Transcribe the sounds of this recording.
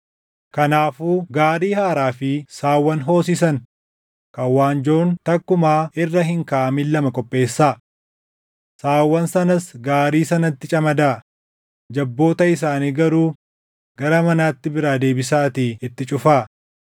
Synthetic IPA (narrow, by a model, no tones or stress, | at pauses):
kɐnaːfuːɡaːɾiːhaːɾaːfɪsaːwːɐnɦo̞ːs̬isɐn | kɐwːaːnd͡ʒo̞ːnt̪ɐkːʊmaːɪrːɐɦɪŋkaːʔɐmɪlːɐmɐkʼɔpʼːe̞ːsːaː | saːwːɐnsɐnɐsɡaːɾiːsɐnɐt̪ːɪt͡ʃʼɐmɐd̪aː | d͡ʒɐbːo̞ːt̪ɐɪs̬aːniːɡɐɾuː | ɡ̥ɐɾɐmɐnaːt̪ːɪbɪɾaːd̪e̞ːbɪs̬aːt̪iɪt̪ːɪt͡ʃʼʊfaː